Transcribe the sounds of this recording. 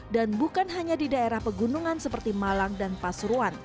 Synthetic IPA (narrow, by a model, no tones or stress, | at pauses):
danbukanɦaɲadidaeɾahpəɡunuŋansəpərt̪imalaŋdanpasɾuan